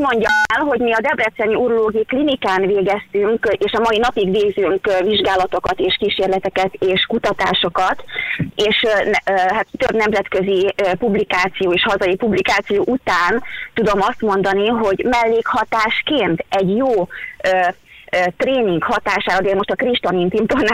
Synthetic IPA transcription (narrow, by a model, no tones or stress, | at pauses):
mo̞ɲɟɒmɛlɦo̞ɟmiɒd̪ɛbrɛt̪sɛniuɾuloːɡijiklinikaːnveːɡɛst̪yŋkeːʃɒmɒinɒpiɡʋeːɡzyŋkviʒɡaːlɒt̪o̞kɒt̪eːʃkiːʃeːrlɛt̪ɛkɛt̪eːʃkut̪ɒt̪aːʃo̞kɒt̪eːʃnɦat̪ːøbnɛmzɛt̪kø̞ziøpublikaːt̪sijoːeːʃhɒzɒjipublikaːt̪sijoːʔut̪aːnt̪ud̪o̞mɒst̪mo̞nd̪ɒniɦo̞ɟmɛlːeːkhɒt̪aːʃkeːnt̪ɛɟjoːøː | t̪reːniŋkhɒt̪aːʃaːɾɒd̪eːlmo̞ʃt̪ɒkriʃt̪onint̪imt̪on